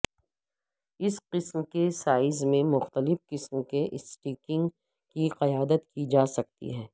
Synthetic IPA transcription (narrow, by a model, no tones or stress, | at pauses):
ɪsqɪsmkesaːɪzmẽmʊxt̪əlɪfqɪsmkeʔɪsʈiːkɪ̃ŋɡ | kiqɐjaːd̪ət̪kid͡ʒaːsɐk̚t̪ḭɦɛː